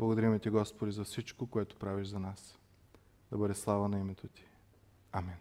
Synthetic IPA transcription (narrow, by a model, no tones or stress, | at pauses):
blˠɡod̪ɐɾimɛt̪ʲiɡɔspod̪ʲizɐfsit͡ʃkokoɛt̪ʊ̥pɾaviʒzɐnas | d̪ɐbɤd̪ɛslˠavənɐimɛt̪ot̪i̥ | amin